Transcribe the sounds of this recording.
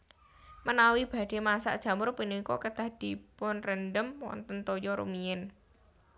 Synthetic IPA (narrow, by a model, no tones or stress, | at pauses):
mənawib̥a̤d̪̥e̤masa̰ʔd̥ʒ̥ä̤mʊɾpinikɔkəd̪̥a̤hd̪̥i̤pʊnrənɖəmwɔ̰nt̪ənt̪ɔjɔɾṵmiɪn